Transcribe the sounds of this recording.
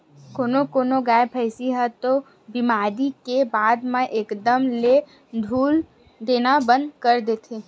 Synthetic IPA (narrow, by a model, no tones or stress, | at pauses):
koːnokoːnoɡaːepʰəɪsiɦət̪o | bɪmaːɾikebaːd̪mẽʔeːkd̪əmle | d̪ʱuːl | d̪eːnabə̃nd̪kəɾd̪eːt̪ʰe